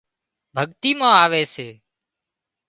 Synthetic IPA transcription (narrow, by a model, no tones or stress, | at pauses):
bʱəɠt̪iːmãːaːʋeːseː